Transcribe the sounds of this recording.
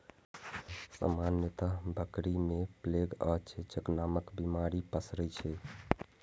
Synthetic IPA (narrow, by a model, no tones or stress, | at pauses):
sə̰manjət̪abʱəkɾimepleɡət͡ʃʰet͡ʃəknaməkbimaɾipəsɾət͡ʃʰɛ